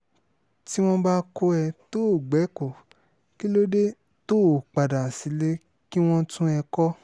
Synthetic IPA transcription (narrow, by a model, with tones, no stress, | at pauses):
ti˦w̃ɔ̃˦ba˦ko˦ɛ˧to˦˨ɡ͡bɛ˨˦ko˨ | ki˦lo˦de˦ | to˦˨k͡pa˨da˨si˨˦le˦ | ki˦w̃ɔ̃˦tũ˦ɛ˧kɔ˦